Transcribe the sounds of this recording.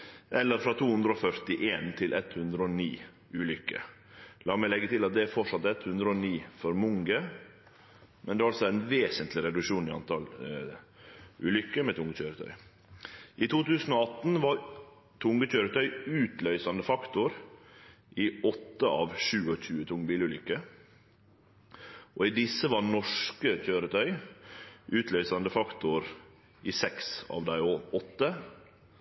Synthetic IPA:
ʔɛlːəɾfɾɑːt̪ʰuːhʉnd̪ɾəɔfœɾt̪ɪʔeːnt̪ʰɪlʔɛt̪hʉnd̪ɾəɔniː | ʉːlʏkːə̰ | lɑːmɛɪlɛɡːət̪ɪlɑt̪̚d̪ɛæɾfɔʂɑt̪ːɛt̪hʉnd̪ɾəɔniːfɔɾmʊŋɡə | mɛ̰nd̪ɛɑɾɑlsɔæɾæɛnʋeːsənt̪lɪɾɛd̪ʉkʂuːnɪɑ̰nt̪ʰɑl | ʉːlʏkːəmɛt̪ʰʊŋːəc͡çøːɾət̪ʰœ̰ʏ | ʔɪt̪uːt̪ʉːsn̩ɔɑt̪ːn̩ʋɑɾ | t̪ʰʊŋɡəc͡çøːɾət̪ʰœʏʉːt̪lœʏsɑnd̪əfɑkt̪ʊɾ | ʔiːɔt̪ːəʔɑ̰ːʋʃʉːɔçʉːət̪ʰʊŋːbiːlʉːlʏkːə | ʔɔid̪ɪsːəʋɑnɔʂkəc͡çøːɾət̪ʰœʏ | ʔʉːt̪ʰlœʏsɑnd̪əfɑkt̪ʊɾ | ʔiːsɛksɑ̰ːʋd̪æɪoɔt̪ːə

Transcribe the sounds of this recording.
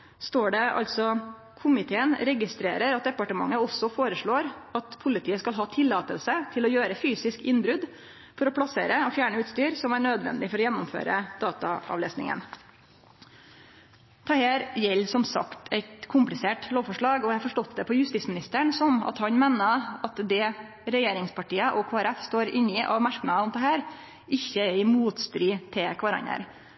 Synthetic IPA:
st̪oːɖɛʔɑ̰lt̪sɔ | kʰʊmɪt̪ʰeːənɾɛɡɪst̪ɾḛːɾəɾɑt̪̚d̪ɛpɑʈəmɑ̰ŋːəɔsɔfoːɾəʂɭoːɾɑt̪pʰʊlɪt̪ʰiːəskɑlɦɑːt̪ʰɪlːɑːt̪əlsət̪ʰɪlɔjøːɾəfyːsɪskɪnbɾʉd̪ | fɔɾɔpʰlɑsḛːɾəɔfjæːɳəʉːt̪st̪yːɾsɔmæɳøːd̪ʋɛ̰nd̪ɪfɔɾɔjɛnːʊmfø̰ːɾə̰d̪̥ɑːt̪ɑ̰ɑ̰ʋlḛːsnɪ̰ŋə̰n | t̪ʰɑheːɾjɛlːsɔmsɑ̰kt̪ʰɛɪt̪kʰʊmplɪseːʈloːʋfɔʂɭɑːɡɔæhɑfɔʂʈɔt̪d̪ɛpʰɔjʉst̪ismɪnɪst̪əɳsɔmɑ̰t̪hɑnmeːnəɑt̪d̪ɛ | ɾɛjeːɾɪŋspʰɑʈiːəʔɔkʰoːæɾɛfst̪oːɾɪniːʔɑ̰ʋmæɾknɑʊmd̪ɛɦæːɾ | ɪçːəɛɾɪmuːt̪st̪ɾyːt̪ʰɪkʰʋɑɾɑ̰ɲə̰ɾ

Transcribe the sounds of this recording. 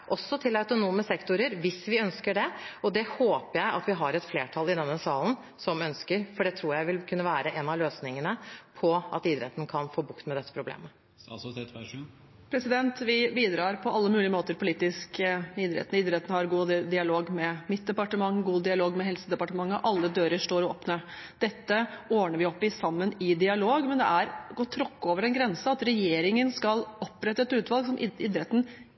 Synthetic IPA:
ʔɔsːɔt̪ʰɪlɑʉt̪ʊnuːməsɛkt̪ʊɾəɾʋɪsʋɪœnskəɖɛɔd̪ɛhoːpəjæɪʔɑ̰t̪ʋɪɦɑɾɛt̪fleːʈʰɑlɪd̪ɛnːəsɑːlən̩ | sɔmœnskəɾfɔɖɛt̪ʰɾuːjæɪʋɪlkʰʉnːəʋæːɾəʔɛnɑløːsnɪŋənəpʰɔʔɑ̰t̪id̪ɾɛ̰t̪ːən̩kʰɑnfoːbʊkt̪mɛd̪ɛt̪ːə̥pɾʊblḛːmə | t̪ | pʰɾɛsɪd̪ɛnt̪ʋɪbiːd̪ɾɑːɾpʰɔʔɑlːəmʉːlɪəmoːt̪əɾpʰʊliːt̪ɪskɪd̪ɾɛ̰t̪n̩ɪːd̪ɾɛt̪n̩hɑɾɡuːd̪ɪɑloːɡmɛmɪt̪̚d̪ɛpɑʈəmɑŋːɡuːd̪ɪɑloːɡmɛɦɛlsəd̪ɛpɑʈəmɑŋːəʔɑlːəd̪øːɾəʂʈoːɾo̰ːpnə | d̪̥ɛt̪ːəoːɳəʋɪɔpːɪsɑmːənɪd̪ɪɑloːɡmɛnd̪ɛ̰ʔæɾɡot̪ʰːɾɔkːoːʋəɾɛnɡɾɛnsəɑt̪ɾɛjeːɾɪŋənskɑlɔpːɾɛt̪ːəɛt̪ʉːt̪ʋɑlˠɡsɔmɪ̰d̪ɾɛt̪ːən

